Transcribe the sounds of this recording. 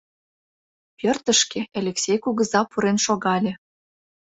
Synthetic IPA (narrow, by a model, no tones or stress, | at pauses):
pʲørt̪ə̆ʃkeʔelʲeksʲejkuɣə̆zɑpuɾenʃoɣɑlʲĕ